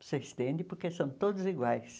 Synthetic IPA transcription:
seest̪ẽnd̪ɪpoɾkesɐ̃w̃t̪od̪ʊziɡwajs

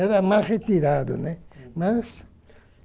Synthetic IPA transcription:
eɾamasret̪iɾaðo̰nemas

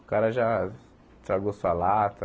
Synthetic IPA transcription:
ʊkaɾɐʒa | t̪ɾaɡosuɐlat̪ɐ

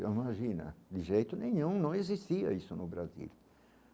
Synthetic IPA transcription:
imaʒĩnɐ̰d̪ɪʒejt̪ʊnẽɲũnɐ̃w̃ezist̪iɐ̰isʊnʊbɾazḭl

